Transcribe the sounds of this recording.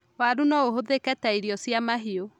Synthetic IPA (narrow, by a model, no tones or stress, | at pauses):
waɾunɔoɦoðekɛtaiɾiɔsjamaɦio